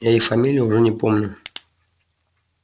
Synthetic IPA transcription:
jaɪfɐmʲilʲɪjʊʊʐɛnʲɪpomnʲʊ

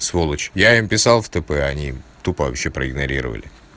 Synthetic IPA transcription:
svolˠət͡ɕjaimpʲɪsalˠft̪ɛpɛɐnʲit̪upəvɐpɕːe̞pɾəɪɡnɐɾʲiɾə̰və̰lʲɪ̰

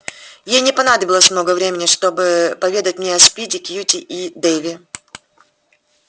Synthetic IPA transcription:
jejnʲɪpɐnad̪əbʲɪlˠəsʲmno̞ɡəvɾʲemʲɪnʲɪʂt̪o̞bɨpɐvʲed̪ətʲmnʲeɐspʲitʲɪkʲjutʲɪʔid̪ejvʲɪ

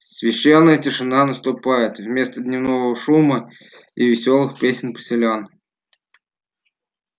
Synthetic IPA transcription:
sʲvʲɪɕːenːəjətʲɪʂɨnanəst̪ʊpajɪt̪vmʲe̞st̪əd̪ʲnʲɪvnovəvəʂumə | ivʲɪsʲolˠɨxpʲesʲɪnʲpə̥sʲɪlʲan

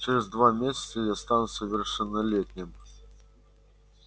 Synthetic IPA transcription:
t͡ʃɛɾʲɛzd̪vamʲesʲə̥t̪səjast̪anʊsʲəvʲɪrʂɛnːɐlʲetʲnʲɪm

